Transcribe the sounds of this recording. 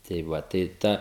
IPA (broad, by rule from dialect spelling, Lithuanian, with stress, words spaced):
tɐɪ ˈʋɐ tɐɪ ˈtɐ